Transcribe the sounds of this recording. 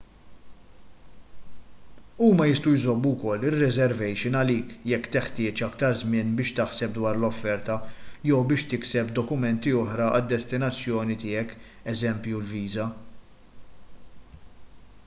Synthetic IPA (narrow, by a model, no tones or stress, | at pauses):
uːmɐjɪst̪ujzɔbːuwkɔlːɪrːɛzɛɾvɛjʃɪnɐliːkjɛkːt̪ɪħt̪ɪːt͡ʃɐkt̪ɐɾzmɪnbɪːʃt̪ɐħsɛp̚d̪wɐːɾlɔfːɛɾt̪ɐjɛwbɪːʃt̪ɪksɛpd̪ɔkʊmɛnt̪iɔħɾɐʔɐ̰d̪ːɛst̪ɪnɐt͡sːjɔːnit̪ɪːjɛk | ɛzɛmpjulviːzɐ